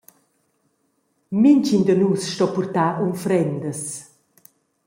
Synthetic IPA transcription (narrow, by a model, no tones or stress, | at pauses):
mint͡ʃind̪ənuːsʃtɔpurt̪aːʔunfɾɛnd̪əs